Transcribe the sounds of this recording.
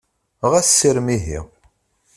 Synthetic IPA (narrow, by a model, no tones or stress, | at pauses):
ʁæssːiɾmiɦḭ